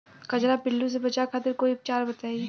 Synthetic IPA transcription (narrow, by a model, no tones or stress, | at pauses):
kɐd͡ʒɾapɪlːus̬ebɐt͡ʃakʰaːt̪ɪɾkoːiʊp̚t͡ʃaːɾbɐt̪aːi